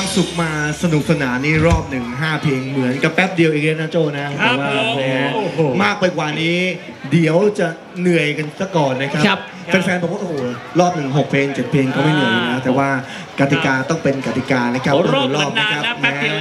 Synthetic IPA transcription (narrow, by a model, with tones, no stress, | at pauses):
wa˧ŋsu˨˩k̚maː˧sa˧nu˨˩k̚sa˧naː˩˦mniː˥˩ɾɔː˥˩p̚nɯ˨˩ŋɦaː˥˩pʰeː˧ŋmɯ˩˦ənka˨˩pːɛ˦˥p̚di˧əwʔiː˨˩li˦˥na˦˥t͡ɕoː˥˩na˦˥aː˨˦waː˥˩laː˨˩˧ɛ˦˥maː˥˩k̚pa˧jkwaː˨˩niː˦˥ | di˨˩˦əwt͡ɕa˨˩ | nɯ˨˩əjka˧nsa˧˩kɔː˨˩nːa˦˥kʰa˦˥ | pe˧nfɛː˧nbɛ˨˩wa˥˩ʔo˧˨hoː˨˩ɾɔː˥˩p̚nɯ˨˩ŋɦo˨˩k̚pʰeː˧ŋt͡ɕe˨˩t̪̚pʰeː˧ŋkɔ˥˩ma˥˩jnɯ˨˩əjka˧nlɛː˦˥wt̪ɛː˨˩waː˥˩ | ka˧t̪i˨˩kaː˧t̪ɔ˥˩ŋpe˧nka˧t̪i˨˩kaː˧na˦˥kʰa˦˥p̚a˥˩u˩˨˦lɔː˦˥˩p̚na˦˥kʰa˦˥p̚mɛː˦˥